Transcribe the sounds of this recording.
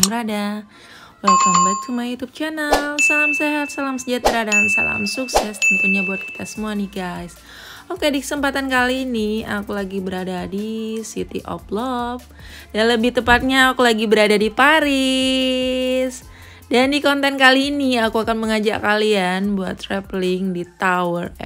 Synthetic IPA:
bəɾada | wəlat͡ʃunbuat̪̚t͡ʃumajut̪up̚t͡ʃɛnəlsalamseɦat̪̚salamsəd͡ʒat̪əɾadamsa̰la̰msuksɛst̪unt̪uɲabuat̪̚ki̥t̪ʰasəmuanɪhɡajs | okedikə̥səmpat̪ankaliːniakulaɡibəɾadadisḭt̪ḭʔɔ̰plɔp̚ | danləbɪht̪əpat̪̚ɲaːkulaɡibəɾadadipaɾɪ | s | dandikɔnt̪ɛnkaliːniakuakanməŋad͡ʒa̰ʔkalianbua̰t̪ːɾɛplɪŋdit̪awərɛ

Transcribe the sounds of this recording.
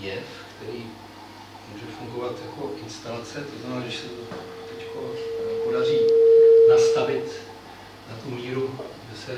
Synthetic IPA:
jɛfkt̪ɛɾiː | muːʒɛfuŋɡo̞vat̪jako̞ʔɪnst̪alat͡sɛt̪oznamɛnaːʒɛʃsɛt̪t̪ɛckonpodar̝iːnast̪avɪt̪ | nat̪umiːɾudɛsɛ

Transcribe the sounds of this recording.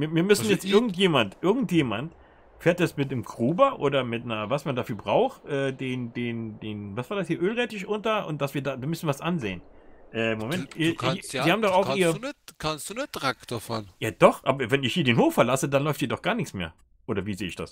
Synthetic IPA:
viːɐviːɐmʏsn̩jɛt͡stʔɪɐɡŋ̩tjeːmantʔɪɐɡŋ̩tjeːmant | feːɐt̚d̥asmɪtnɪmkʁ̥uːbɐʔoːdɐmɪtnɐvasmandaːfyːɐbʁaʊxʔɛːdeːndeːndeːnvasv̥aːɐdashiːɐʔøːlʁɛtɪʃʔʊntɐʔʊ̰nt̚d̥asv̥iːɐdaːviɐmʏsn̩viasʔanzḛːənʔɛːmomɛntiiziːhaːbm̩dɔxaʊiːʁəkʰansd̥untʁakd̥afɔnjaːd̥ɔχʔa̰ːbɐvɛnɪçhiːɐdeːnhoːfɛɐlasədanlɔʏfthiːɐdɔχɡ̥aːɐnɪçt͡ssmḛːɐ | ʔoːɾɐviːzeːɪçd̥a̰s

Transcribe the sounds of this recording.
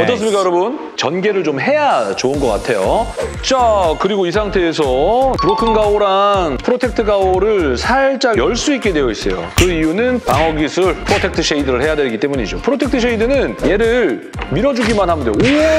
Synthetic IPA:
ʌt͈ʌs̬͈ɯmɲik͈ajʌɾʌbun | t͡ɕʌnɡe̞ɾɯɭt͡ɕomɦe̞jat͡ɕounɡʌk͈a̰tʰe̞jot͡ɕakɯɾiɡois̬ʰaŋtʰe̞ːsʰʌpɯɾokʰɯnɡaoɾanpʰɯɾotʰe̞k̚tʰɯɡaoɾɯɭsʰaɭt͡ɕ͈ajʌɭs͈uik͈̚e̞dwe̞jʌis͈ʌjo̰kɯijunɯnpaŋʌɡisʰɯɭpʰɯɾotʰe̞k̚tʰɯɕ͈ʰe̞idɯɾɯɭhe̞jadweɾiɡit͈emuɲid͡ʑopʰɯɾotʰek̚tʰɯɕ̬ʰe̞idɯnɯnje̞ɾɯɭ | miɾʌd͡ʑuɡimanɦhamɯndeoe

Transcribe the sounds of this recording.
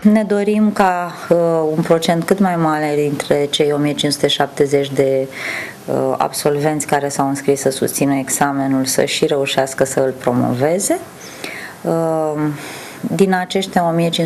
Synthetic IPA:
ne̞d̪o̞ɾimka | unpɾo̞t͡ʃe̞nt̪̚kɨt̪majmaɾe̞d̪int̪ɾe̞t͡ʃe̞jo̞mijet͡ʃinsu̥t̪e̞ʃap̚t̪e̞ze̞t͡ʃʲd̪e̞ | əa̰bso̞lve̞nt̪sʲkaɾe̞sawɨnskɾisːəsṵst̪sinəeɡzame̞nulsə̰ʃiɾe̞uʃaskəsəɨlpɾo̞mo̞̰ve̞ze̞ | d̪inat͡ʃe̞ʃt̪ʲao̞mijet͡ʃin

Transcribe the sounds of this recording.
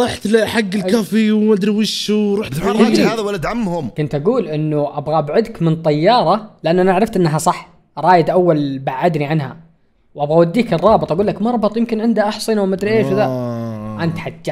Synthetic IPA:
ɾˤɑħt̪lħaɡːɪlkafiwmad̪ɾwiʃʃuːɾˤuːħaːðawalːat̪ʕamːhʊmkʊnt̪ʔaɡuːlʔɪnːuʔabɣaʔbʕʊd̪kmɪnt̪ˤɑjːɑːɾˤɑlɪʔanːʔanaʔaʕɾɪft̪ʔɪnːaɦasˤɑħ | ɾˤɑːjɪd̪ʔawːalbaʕːad̪niʕanɦa̰ | wʔabɣawad̪ːiːkɨrˤːɑːbɨt̪ˤʔaɡuːlːakmɑɾˤbɨt̪ˤjɪmkɪnʕɪnd̪aʔɑħsˤɨnawmad̪ɾiʔeːʃðaʔant̪ħad͡ʒːa

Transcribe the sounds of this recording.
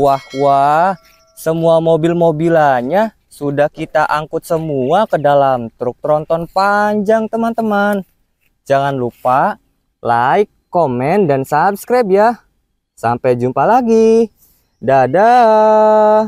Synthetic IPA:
wahwa | səmuamobilmobilaɲa | sudahkit̪aʔaŋkʊt̪̚səmuakədalamt̪ɾʊk̚t̪ɾɔnt̪ɔnpaɲd͡ʒaŋt̪əmant̪əman | d͡ʒaŋanlupa | laɪkːomɛndansabskɾajp̚ja | sa̰mpɛd͡ʒumpalaɡi | daːda

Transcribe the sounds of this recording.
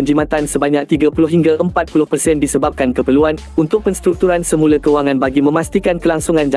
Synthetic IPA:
ənd͡ʒimãt̪ansəbaɲãk̚t̪iɡapulʊhɦiŋɡaʔəmpat̪̚pulʊhpərsɛndisəbap̚kankəpərluan | unt̪ʊk̚pənst̪ɾuk̚t̪uɾansəmũlakəuaŋãnbaɡimə̃mãst̪ikankəlaŋsuŋãnd͡ʒa

